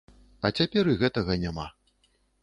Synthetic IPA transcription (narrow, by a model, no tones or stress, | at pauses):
ɐt͡sʲapʲɛɾɨɣɛt̪ɐɣɐnʲama̰